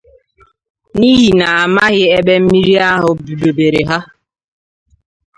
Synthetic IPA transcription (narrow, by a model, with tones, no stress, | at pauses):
ni˦ɦi˨na˨a˨ma˦ɣɪ˦e˦be˦m̩˦mi˦ɾi˦a˦ɦʊ˦bu˨do˨be˨ɾe˨ɦa˦